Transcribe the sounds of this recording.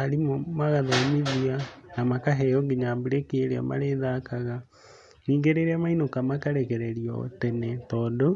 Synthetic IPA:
aɾimɔmaɣaðamiðianamakaɦɛjɔŋɡeɲambiɾekeeɾea̰ma̰ɾeðakaɣa | niːŋɡeɾeɾeamainokamakaɾɛkɛɾɛɾiɔo̰tɛnɛtɔːndo

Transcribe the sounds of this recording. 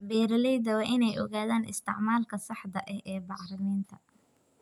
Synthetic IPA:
bɛːɾɐlɛjðɐwɑːʔɪnɛjʔɔ̰ɣaːðaːnɪ̰st̪ʰɪ̰ʕmaːlkʰɐsɑħd̪ɐʔɛhɛːbɑʕrɐniːnt̪ʰɐ

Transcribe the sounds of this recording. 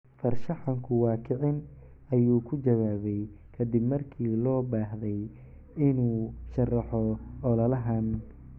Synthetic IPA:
fɐrʃɐħɑŋkʰʊwɑːkʰɪʕɪn | ɐjuːkʰʊt͡ʃɐwaːβɛj | kʰɐd̪ɪbmɐrkʰiːlɔːbaːɦðɛj | ɪnuːʃɐrɑħɔʔɔlɐlɐɦɐn

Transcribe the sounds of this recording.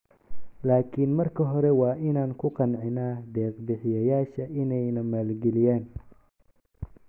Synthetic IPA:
laːkʰɪnmɐrkʰɐɦɔɾɛwɑːʔɪnaːnkʰʊqɑnʕɪnaːd̪ɛːqbɪħɪjɐjaːʃɐʔɪnɛjnɐmaːlɡɛlɪjaːn

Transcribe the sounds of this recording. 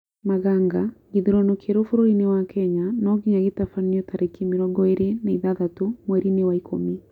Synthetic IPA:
maɣaŋɡaɡiðiɾɔnokʰeɾofuɾoinewakʰɛɲanɔɣiɲaɣitafaniɔtaɾekimiɾɔɡɔeɾeneiðaðatumwɛɾinewaikʰo̰mi

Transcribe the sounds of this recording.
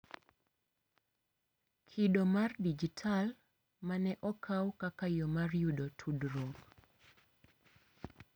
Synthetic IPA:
kʰidomardid͡ʒitʰal | manɛʔɔkʰawkakajɔmarjudotʰudɾoŋɡ

